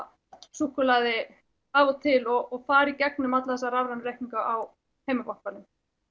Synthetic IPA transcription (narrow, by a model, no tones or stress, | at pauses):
suhkʏlaðɪ | avɔt̪ʰɪlɔɣɔɣfaːɾicɛk̚nʏmat̪laθɛsːaɾavɾanɾɛjhciŋkaʔaw | heːjmɪkɔhpalʏm